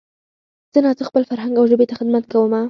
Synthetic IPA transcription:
z̥ənɑzəxpəlfaɾɦaŋɡawʒəbet̪axɪd̪mat̪kawəma

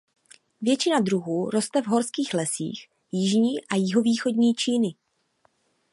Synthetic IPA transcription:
vjɛt͡ʃɪnad̪ɾuɦuːɾo̞st̪ɛvɦo̞ɾskiːxlɛsḭːx | jɪʒɲiːʔajɪɦo̞viːxo̞dɲiːt͡ʃiːnɪ

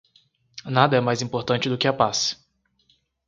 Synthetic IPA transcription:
nad̪ɐɛmajzĩpoɾt̪ɐ̃nt͡ʃɪd̪ʊkɪapasɪ̥

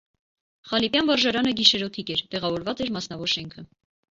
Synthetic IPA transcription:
χɑlipjɑnvɑɾʒɑɾɑnəɡiʃɛɾɔt̪ʰikɛɾt̪ɛʁɑvɔɾvɑt͡sɛɾmɑsnɑvɔɾʃɛŋkʰə

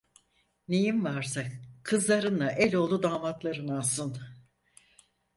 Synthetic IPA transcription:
nejinvaɾsakʰɯzlˠaɾɯnlaʔɛlʲo̞lˠd̪ud̪aːmat̪lˠaɾɯnasɯn

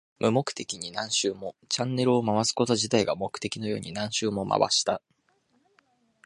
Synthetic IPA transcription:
mɯ̟mo̞kɯ̟̥t̪e̞kʲiɲ̟inãɰ̃ɕɨːmo̞t͡ɕãnːe̞ɾɯ̟o̞maβasɨ̥ko̞t̪o̞ʑit̪aiɡamo̞kɯ̟̥t̪e̞kʲino̞jo̞̰ːɲ̟inãɰ̃ɕɨːmo̞ma̰βa̰ɕi̥t̪a

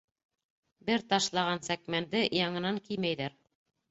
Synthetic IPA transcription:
bɘɾt̪ɑʃlˠɑʁɑnsækmænd̪ɘjɑŋɤ̆nɑŋkijmæjðæɾ

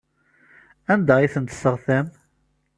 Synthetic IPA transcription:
ænd̪æiθənt̪ə̥sːəʁθæm

